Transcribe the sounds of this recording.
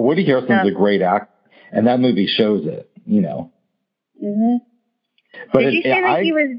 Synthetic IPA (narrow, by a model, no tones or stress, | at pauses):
wʌdɨɦɛɹsɨ̃nzɨɡɹeɪɾæk̚ | ɨ̃nðɨt̚mʉviʃoʊzɪ̰t̚jɨno̰ʊ | b̥ʌɾɨaɪ